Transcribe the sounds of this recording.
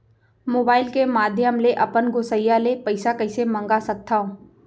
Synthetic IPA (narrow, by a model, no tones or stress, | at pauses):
moːbaːɪlkemaːd̪ʱjəmleʔɐpənɡosəjalepɐɪsakəɪsemə̃ŋɡasɐk̚t̪ʰaːõː